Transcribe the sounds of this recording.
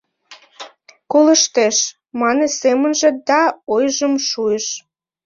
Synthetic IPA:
koləʃt̪eʃ | mɑnesemənʒĕd̪ɑojʒəmʃueʃ

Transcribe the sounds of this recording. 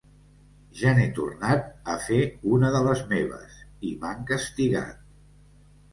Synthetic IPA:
ʒanet̪ṵrnat̪̚əfeunəðələzmeβ̞ə̰siβaŋkəst̪iɣa̰t̪̚

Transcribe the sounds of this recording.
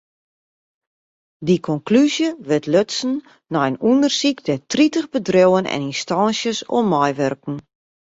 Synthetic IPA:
dikʰɔnklyzjəʋɪtʰløtsn̩ | nɔjənundərsikdɛtritəχbədrowənɛ̰ninstɑnsjəso̰mɔjʋørkn̩

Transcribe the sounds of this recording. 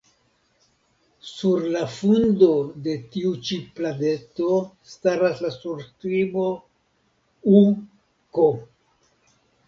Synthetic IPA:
suɾlafundo̞de̞tiut͡ʃiplane̞to̞staɾaslasuɾstɾimo̞ | u | ko

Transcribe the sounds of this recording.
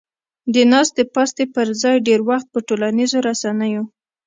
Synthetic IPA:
d̪ənɑst̪̚epɑst̪epəɾzɑjɖeɾwaxt̪̚pəʈolanizoɾasanəjo

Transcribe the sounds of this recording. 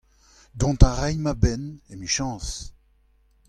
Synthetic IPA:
d̪ɔ̃nt̪aʁɛjmabɛnemiʃɑ̃ːs

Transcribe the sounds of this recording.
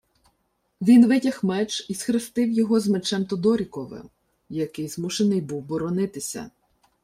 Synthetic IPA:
ʋʲinʋɪtʲɐxmɛt͡ʃisxɾɪst̪ɪwjɔɦɔzmet͡ʃɛmt̪ɔd̪ɔɾʲikɔʋɪ̰m | jɐkɪjzmuʃenɪjbuwbɔɾɔnɪt̪ɪsʲɐ̰

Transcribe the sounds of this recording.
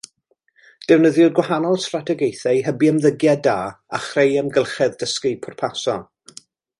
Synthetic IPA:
d̥ɛwnəðjʊdɡwahanɔlˠstratʰɛɡejθajɦəbiəmðəɡjɛdaːaχrejəmɡəlˠχɛðdəskɪpʰɔrpʰasɔ

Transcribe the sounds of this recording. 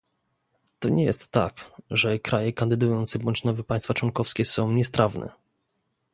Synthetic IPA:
t̪ɔɲɛjɛ̰st̪ːa̰kʐɛkɾajɛkand̪ɘd̪ujɔnt̪sɛbɔɲt͡ɕnɔvɛpaj̃st̪fat͡ʂwɔnkɔfskʲɛsɔ̃w̃ɲɛspɾʔavnʔɛ̰

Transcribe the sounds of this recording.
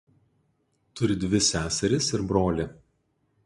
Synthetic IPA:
t̪ʊɾʲɪd̪ʲʋʲɪsʲæːsʲɛɾʲɪsɪɾbɾoːlʲɪ

